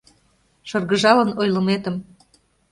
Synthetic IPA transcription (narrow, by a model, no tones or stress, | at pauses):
ʃɤrɣəʒɑlənojlə̆met̪ə̆m